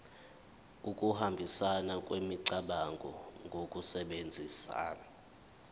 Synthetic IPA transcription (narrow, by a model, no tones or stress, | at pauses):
uk̬ʼuhambʱisanakʼwemiǀaɓaŋɡʱɔ̰ŋɡʱokʼusɛɓend͡zʱisa̰ːna